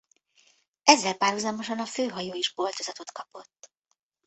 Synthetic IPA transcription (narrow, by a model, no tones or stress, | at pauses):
ɛzːɛlpaːrhuzɒmo̞ʃɒnɒføːɦɒjoːiʒbo̞lt̪ozɒt̪o̞t̪kɒpo̞t̪ː